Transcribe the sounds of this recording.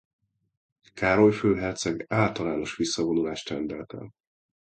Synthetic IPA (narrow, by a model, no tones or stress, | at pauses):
kaːɾo̞jføːɦɛrt̪sɛɡaːlt̪ɒlaːno̞ʃʋisːɒvo̞nulaːʃt̪rɛnd̪ɛlɛt̪ɛ̰l